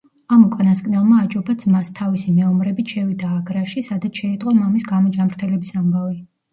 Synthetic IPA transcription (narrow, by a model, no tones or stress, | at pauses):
amukʼanaskʼnɛlˠmaːt͡ʃʼɔbad̪zmast̪ʰavisimɛɔmɾɛbit̪ʃɛvid̪aːɡɾaʃisad̪at̪ʰʃɛit̪ʼqʼɔmamisɡamɔd͡ʒamɾt̪ʰɛlɛbisambavi